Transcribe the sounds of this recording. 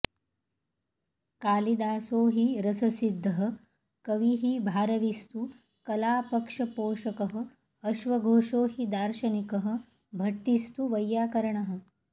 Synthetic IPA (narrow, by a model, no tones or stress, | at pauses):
kaːlid̪aːsoːɦiɾɐsɐsid̪ʱːɐɦɐ̆ | kɐʋiɦibʱaːɾɐʋist̪u | kɐlaːpɐkʂɐpoːʃɐkɐɦɐ̆ː | ʃʋɐɡʱoːʂoːɦid̪aːɾʃɐnikɐɦɐ̆ | bʱɐʈ̪ːist̪uʋɐjːaːkɐɾɐɳɐɦɐ̆